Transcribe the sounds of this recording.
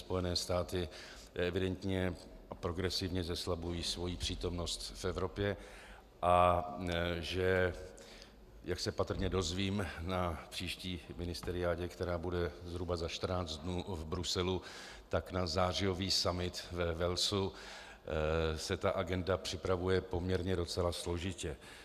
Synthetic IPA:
spo̞jɛnɛːst̪aːt̪ɪ | ɛvɪdɛnt̪ɲɛ | apɾo̞ɡɾɛsɪvɲɛzɛslabujiːsvo̞jiːpr̝̥iːt̪o̞mno̞st̪fɛvɾo̞pjɛ | ʔa | ʒɛ | jaksɛpat̪r̩ɲɛdo̞zviːmnapr̥iːʃciːmɪnɪst̪ɛɾɪaːɟɛkt̪ɛɾaːbudɛzɦɾubazaʃt̪r̩naːt͡st̪̚dnuːvbɾusɛlu | t̪aknazaːr̝ɪjo̞viːsamɪt̪vɛvɛlsu | sɛt̪aʔaɡɛndapr̥ɪpɾavujɛpo̞mɲɛɾɲɛdo̞t͡sɛlaslo̞ʒɪcɛ

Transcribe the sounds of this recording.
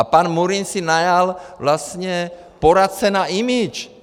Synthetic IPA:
apaːnmuɾinsinajalʋlasɲɛ | pɔɾat̪̚t͡sɛnaimit͡ʃ

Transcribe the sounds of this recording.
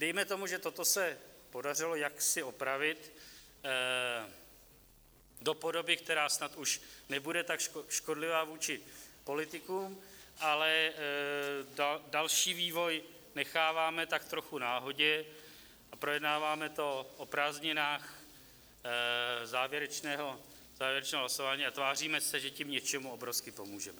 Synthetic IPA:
dɛjmɛt̪o̞muʒɛt̪o̞t̪o̞sɛpo̞dar̝ɪlo̞jaksɪo̞pɾavɪt̪ | do̞po̞do̞bɪk̚t̪ɛɾaːsnat̪uʃnɛbudɛt̪akʃʃko̞dlɪvaːvuːt͡ʃɪpo̞lɪt̪ɪkuːmʔalɛ | dalʃiːviːvo̞j | nɛxaːvaːmɛt̪ak̚t̪ɾo̞xunaːɦoɟɛ | apɾojɛdnaːvaːmɛt̪o̞ʔopɾaːzɲɪnaːx | zaːvjɛɾɛt͡ʃnɛːɦo̞ | zaːvjɛɾɛt͡ʃnɛːɦolasovaːɲiːat̪vaːr̝iːmɛsɛʒɛcɪmɲɛt͡ʃɛmuobɾofskɪpo̞muːʒɛmɛ

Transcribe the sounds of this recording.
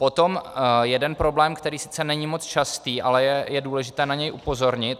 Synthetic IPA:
po̞t̪o̞mjɛdɛnpɾo̞blɛːmkt̪ɛɾiːsɪ̥t͡sɛnɛɲimo̞t͡st͡ʃast̪iːʔalɛjɛjɛduːlɛʒɪt̪ɛːnaɲɛjʔupo̞zo̞ɾɲɪt̪̚

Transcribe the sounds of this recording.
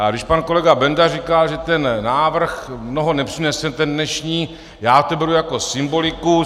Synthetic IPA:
aɡdɪʃpanko̞lɛɡabɛndarikalʒɛt̪ɛnnaːvr̩xmno̞ɦonɛpr̝̥inɛsɛt̪ɛndnɛʃɲiː | jaːot̪ɛbɛɾujako̞sɪmbo̞lɪku

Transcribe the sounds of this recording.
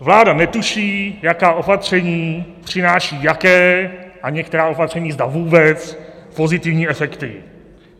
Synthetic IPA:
vlaːdanɛt̪uʃiːjakaːʔo̞pat̪r̝̥ɛɲiːpr̝̥ɪnaːʃiːjakɛːʔaɲɛk̚t̪ɛɾaːo̞pat̪r̝̥ɛɲiːzd̪avuːbɛt͡spo̞zɪt̪ɪvɲiːɛfɛkt̪ɪ̰

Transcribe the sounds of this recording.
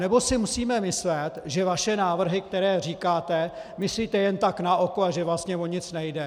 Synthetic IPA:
nɛbo̞sɪmusiːmɛmɪslɛt̪ʒɛvaʃɛnaːvr̩ɦɪk̚t̪ɛɾɛːr̝iːkaːt̪ɛmɪsliːt̪ɛjɛnt̪aknaʔokoaʒɛvlast̪ɲɛvoɲɪt͡snɛjdɛ

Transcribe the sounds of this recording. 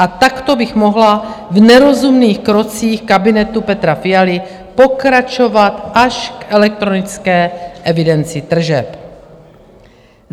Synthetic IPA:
ʔat̪akt̪o̞bɪxmo̞ɦlavnɛɾo̞zumniːxkɾo̞t͡siːxkabɪnɛt̪upɛt̪ɾafɪalɪ | po̞kɾat͡ʃo̞vat̪ʔaʃkʔɛlɛk̚t̪ɾo̞nɪt͡skɛːʔɛvɪdɛnt͡sɪt̪r̩ʒɛp

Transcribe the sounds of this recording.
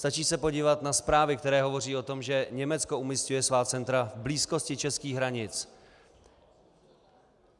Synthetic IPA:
st̪at͡ʃiːsɛpo̞ɟiːvat̪naspɾaːvɪkt̪ɛɾɛːɦo̞vo̞riːo̞t̪o̞mʒɛɲɛmɛt͡sko̞umiscujɛsvaːt͡sɛnt̪ɾavbliːsko̞scɪt͡ʃɛskiːɣɦɾaɲɪt͡s

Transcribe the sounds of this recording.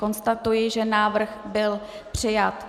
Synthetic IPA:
ko̞nst̪at̪ujɪʒɛnaːvr̩xbɪl | pr̝̥ɪjat̪

